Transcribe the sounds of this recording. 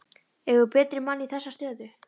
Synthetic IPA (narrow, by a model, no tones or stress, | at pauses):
ɛɣʏpɛːt̪ɾɪmaniθɛsːast̪œːðʏ